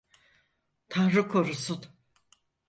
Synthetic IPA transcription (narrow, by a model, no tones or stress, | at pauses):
t̪ʰanɾɯkʰoɾusut̪